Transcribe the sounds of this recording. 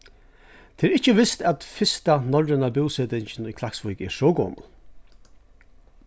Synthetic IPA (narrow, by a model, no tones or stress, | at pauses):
t̪ʰeːɾɪht͡ʃəʋɪst̪at̪fɪst̪anɔɹɪnabɪwseːt̪ɪɲt͡ʃɪnʊjkʰlaksvʊjkɛ̰ːɾʂɔːɡo̰ːmʊ̰l